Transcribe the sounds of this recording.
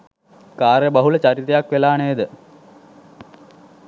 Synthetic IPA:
kaːrjəbɐɦulət͡ɕaɾit̪ejakʋelaːnejd̪ə

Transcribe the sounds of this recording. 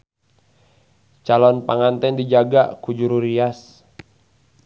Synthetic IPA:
t͡ʃalɔnpaŋant̪ɛndid͡ʒaɡa̰kud͡ʒuɾuɾias

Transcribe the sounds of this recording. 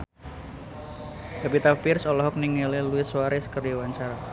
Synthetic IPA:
ɡapit̪apɪrsɔlɔɦɔk̚niŋeleluɪswaɾɛskərdiwaɲt͡ʃaɾa

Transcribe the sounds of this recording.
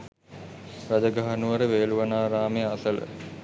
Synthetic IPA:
rad͡ʒəɡaɦanuʋəɾəʋeːluʋɐnaːɾaːmejasələ̰

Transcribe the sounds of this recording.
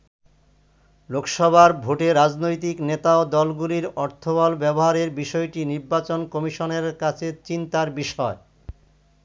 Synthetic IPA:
lokʃɔbʱaɾbʱoʈeɾad͡ʑnojt̪̬iknet̪aod̪ɔlɡuliɾɔɾt̪ʰobɔlbɛboɦaɾeɾbiʃɔeʈiniɾbat͡ɕonkɔmiʃoneɾkat͡ɕʰet͡ɕint̪aɾbiʃɔe

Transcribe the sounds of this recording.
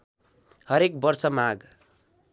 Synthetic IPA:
hʌɾek̚bʌrsʌmaɡ

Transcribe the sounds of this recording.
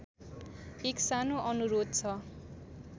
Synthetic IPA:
eksanoʔʌnuɾod̪̚t͡sʰʌ

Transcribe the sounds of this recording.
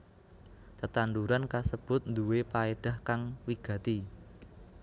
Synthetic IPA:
t̪ət̪and̪uɾankasəb̥ʊ̤t̪̚nd̪uwepaeɖ̥a̤hkaŋwiɡ̥ä̤t̪i

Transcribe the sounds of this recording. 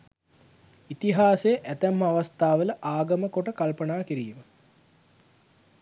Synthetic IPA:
it̪iɦaːsejəʔæt̪æmːaʋast̪aːʋələʔaːɡəməkoʈəkalpənaːkiɾḭːmə

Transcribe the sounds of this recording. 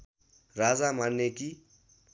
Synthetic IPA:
rad͡zamanːeki

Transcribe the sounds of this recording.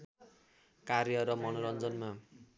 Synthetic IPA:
kaɾjʌɾʌmʌnoɾʌnd͡zʌnma

